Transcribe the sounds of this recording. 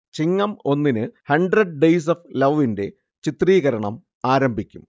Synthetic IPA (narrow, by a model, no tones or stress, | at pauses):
t͡ɕiŋːɐmo̞nːinɨhɐɳɖrɐɖ̚ɖejs̬ɐflɐʋɐʋinde̞ | t͡ɕit̪riːɣɐɾɐɳɐm | aːɾɐmbʱikʲːum